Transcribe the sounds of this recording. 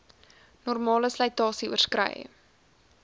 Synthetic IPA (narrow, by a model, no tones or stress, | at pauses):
nɔrmɑːləsləjtɑːsiuərskrə̰j̰